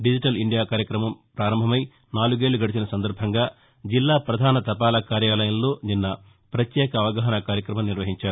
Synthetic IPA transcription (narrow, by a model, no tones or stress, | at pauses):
ɖid͡ʒiʈɐliɳɖijaːkaːɾjɐkɾɐmɐmpɾaːɾɐmbʱɐmɐj | naːluɡe̞ːɭːuɡɐɽit͡ʃinɐsɐnd̪ɐɾbʱɐŋɡaː | d͡ʒilːaːpɾɐd̪ʱaːnɐt̪ɐpaːlɐkaːɾjaːlɐjɐnlo̞ːninːɐ | pɾɐt̪jɛːkɐːʋɐɡaːɦɐnɐkaːɾjɐkɾɐmɐmniɾʋɐɦiɲt͡ʃaːɾu